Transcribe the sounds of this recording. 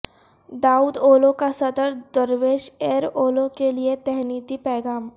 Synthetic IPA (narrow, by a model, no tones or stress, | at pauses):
d̪aːuːd̪oːlõkasɐd̪əɾd̪əɾʋeːʃeːɾoːlõkeliet̪ɛɦniːt̪ipɛːɡaːm